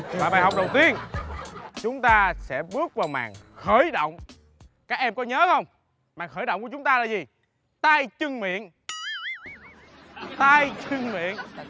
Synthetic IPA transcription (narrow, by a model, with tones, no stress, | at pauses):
aː˧˨ɓaː˨˩hɦɔ˨˩k͡p̚ɗə˨˩wt̪i˧ən | t͡ɕʊ˨˦ŋ͡mt̪aː˧sɛ̰˧˥ɓɨ˦˥ək̚vaː˨˩wma̰ː˨˩ŋ | xəː˧˩jɗə̰˧˨wŋ͡m | kaː˦˥k̚ʔɛ˧mkɔ˨˦ɲəː˨˦xə˧wŋ͡m | maː˨˩ŋxəː˧˩jɗə̰˧˨wŋ͡mku˧˩˦t͡ɕʊ˨˦ŋ͡mt̪aː˧laː˨˩zi˨˩ | t̪aː˧jt͡ɕɨ˧ŋmḭ˧˨ən | t̪aː˧jt͡ɕɨ˧ŋmḭ˧˨ən